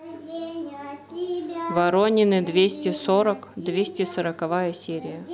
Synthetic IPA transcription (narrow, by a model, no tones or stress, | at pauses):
vɐɾonʲɪnɨd̪vʲesʲtʲɪsoɾəkd̪vʲesʲtʲɪsəɾəkɐvajəsʲeɾʲɪjə